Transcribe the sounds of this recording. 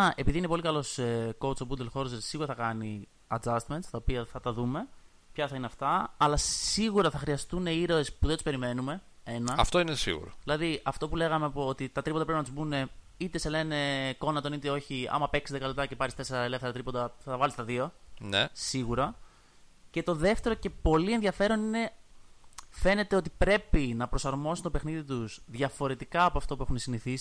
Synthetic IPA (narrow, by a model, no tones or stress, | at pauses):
ɐʔe̞piðiineo̞likɐlo̞sko̞wt͡sobund̪elxo̞ɾosesiɣuɾɐθɐkɐni | ɐd͡zɐst̪ment̪st̪ɐopiɐθɐt̪ɐðume̞ | pçɐθɐineɐft̪ɐːlɐsiɣuɾɐθɐxɾiɐst̪une̞iɾo̞espuðed̪u̥spe̞ɾime̞nume̞e̞nɐɐft̪o̞inesḭɣṵɾo̰ðilɐðiɐft̪o̞pule̞ɣɐmepot̪it̪ɐt̪ɾipot̪ɐpɾepinɐt̪uzbune̞ | it̪ese̞le̞ne̞ko̞nɐt̪o̞nit̪eo̞çiɐ̰mɐpe̞ksiðekɐlot̪ɐce̞pɐɾist̪ese̞ɾɐele̞fθeɾɐt̪ɾipot̪ɐɐɐvɐlist̪ɐðio̞nesiɣuɾɐ | ce̞t̪o̞ðe̞ft̪e̞ɾo̞ce̞po̞lienðʝɐfe̞ɾo̞nine̞ | fe̞ne̞t̪e̞o̞t̪̬ipɾe̞pinɐpɾo̞sɐɾmo̞sit̪pe̞xniðit̪usðʝɐfo̞ɾe̞t̪ikɐːpoɐft̪o̞pue̞xunesiniθisi̥